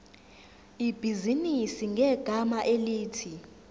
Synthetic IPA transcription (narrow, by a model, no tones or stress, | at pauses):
ib̥ʱizinisiŋɡʱɛɡ̥ʱamaʔeliːtʰi